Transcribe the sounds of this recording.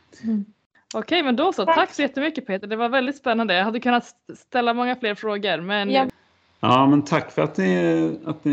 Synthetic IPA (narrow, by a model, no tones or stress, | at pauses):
ɔkʰɛjmɛnd̪ɔsɑt̪ʰakːsɔjɛt̪ːəmʏkːəpʰeːt̪əɖɛvaɾvɛld̪ɪt̪spɛnːand̪əjɑːɦad̪ːəkʰɵnːat̪st̪ɛlːamɔŋːafleːɾfɾoːɡəɾmɛn | ɑːmɛnt̪ʰakːfœɾat̪nɪat̪̚nɪ